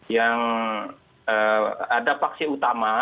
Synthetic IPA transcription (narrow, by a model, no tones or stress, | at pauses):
jaŋ | əadapaksiut̪ama